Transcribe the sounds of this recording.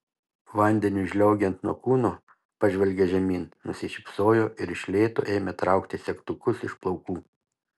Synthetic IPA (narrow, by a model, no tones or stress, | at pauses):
ʋɐnʲd̪ʲɛnʲʊɪʒʲlʲɛʊɡʲɛnt̪nuɔkuːnoː | pɑʒʲʋʲɛlʲɡʲeʒʲɛmʲiːnnʊsʲɪʃʲɪpsoːjoːʔɪɾɪʃʲlʲeːt̪o̰ːʔeːmʲet̪ɾɑˑʊkt̪ʲɪsʲɛkt̪ʊkʊsɪʃplˠɒʊkuː